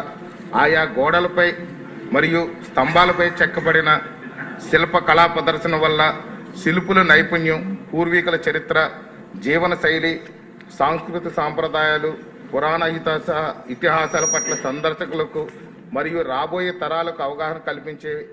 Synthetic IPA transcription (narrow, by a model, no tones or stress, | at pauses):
aːjaːɡɔːɽɐlɐpɐj | mɐɾijust̪ʰɐmbaːlɐpɐjt͡ʃɛkːɐpɐɽinɐsilɐpɐkɐlaːpɐd̪ɐɾsɐnɐʋɐlːɐsilipulɐnɐjpɐɳjɐmpuːɾʋiːkɐlɐt͡ʃɐɾit̪ɾɐ | d͡ʒiːʋɐnɐsɐjli | saːŋskɾut̪isaːmpɾɐd̪aːjaːlu | pʊɾaːɳɐjit̪asɐɦɐit̪iɦaːsaːlɐpɐʈlɐsɐnd̪ɐɾʃɐkulɐku | mɐɾijuɾaːboːjeːt̪ɐɾaːlɐkuɐʋɐɡaːɦɐɐmkɐlipiɲt͡ʃeː